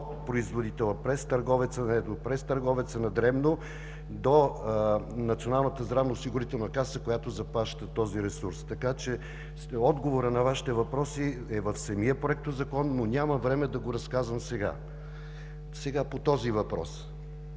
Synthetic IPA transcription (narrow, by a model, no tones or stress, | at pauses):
t̪pɾoizvod̪it̪ɛlˠəpɾɛst̪ɐɾɡɔvɛt̪sənɛd̪opɾɛst̪ɐɾɡɔvɛt̪sənɐd̪ɾɛmno | d̪o | nɐt̪sionalˠnət̪əzd̪ɾavnəoʊsiɡʊɾit̪ɛlˠnɐkasəkojat̪ozɐplˠaʃt̪ət̪ɔziɾɛsuɾst̪ɐkat͡ʃɛ | ɔd̪ɡovoɾənɐvaʃi̥t̪ɛvɐpɾɔsiɛvɐfsɐmiəpɾoɛk̚t̪ozɐkɔnːonʲamɐvɾɛmɛd̪ɐɡoɾɐskazvɐmsɛɡa̰ | sɛɡapot̪ɔzivɐpɾɔ̰s